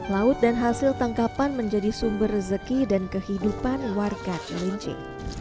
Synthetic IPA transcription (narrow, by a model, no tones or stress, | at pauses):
laʊt̪̚danɦasɪlt̪aŋkapanməɲd͡ʒadisumbərːəzəkidankəhidupanwarɡat̪̚məliɲt͡ʃɪ̰ŋ